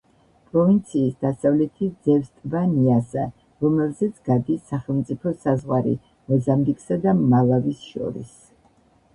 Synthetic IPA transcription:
pʼɾɔvint̪sʰiːsd̪asavlɛt̪ʰid̪zɛvst̪ʼvaniasɛ | ɾɔmɛlzɛt̪sʰɡ̥ad̪isaχɛlˠmt̪sʼipʰɔsazʁwaɾḭ | mɔzambikʼsad̪amalˠavisʃɔ̰ɾḭs

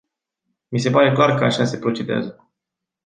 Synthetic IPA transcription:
mis̬e̞paɾe̞klarkəaʃasepɾo̞t͡ʃe̞d̪ea̰zə

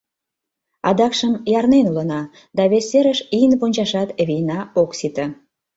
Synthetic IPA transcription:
ɑd̪ɑkʃəmjɑrnenulənɑ | d̪ɑβeseɾəʃijənpunʲt͡ɕɑʃɑt̪βijnɑoksit̪ə

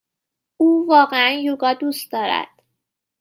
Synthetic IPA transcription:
uːvɒːɢeænjuɡɒːd̪ust̪̚d̪ɒːɾæ̰d̪̥

